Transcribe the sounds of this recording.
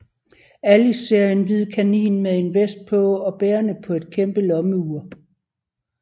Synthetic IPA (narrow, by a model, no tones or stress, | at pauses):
ælise̝ɐ̰je̝nʋið̞̰ˠkʰænḭːnmeðe̝nʋesd̥̚pʰɒ̽ɒ̽b̥eːɐnəpʰɒ̽e̝d̥̚kʰemb̥əlɒ̽məuɐ